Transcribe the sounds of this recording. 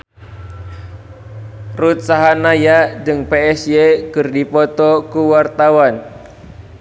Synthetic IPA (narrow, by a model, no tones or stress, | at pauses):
rut̪̚saɦanajadɨŋpeɛsjekɨrdipɔt̪ɔkuwart̪awan